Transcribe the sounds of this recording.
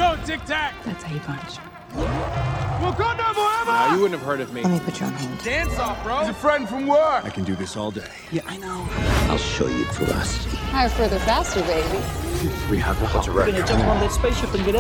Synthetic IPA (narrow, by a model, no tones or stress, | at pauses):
ɡ̥oʊtʰɪk̚tʰæk̚ðætsʰeɨpʰʌ̃nt͡ʃ | wɛlˠɡɑdⁿnoʊbəɛnjɨwʊdⁿn̩tɨv̥hɜ˞ɾʌvmĩnipʰɪt͡ʃʰɹ̥õ̰nhɛ̃nd̥d̥æ̃nsɔfɹozɨfɹɛ̃nd̥fɹʌ̃mwɜ˞aɪkʰɨ̃n̩dɨðɪsɔlˠdeɪjɛʔaɪnoʊa̰ɪlˠʃo̰ʊjɨ̰fə̰ðʌ̰shaɪə˞fɜ˞ðə˞fæstə˞beɪbiwiəvʌəɹɛɡʌ̃nɨd͡ʒʌswʌ̃nðɪtspeɪsʃɪpɨ̃nɡɛɾ̃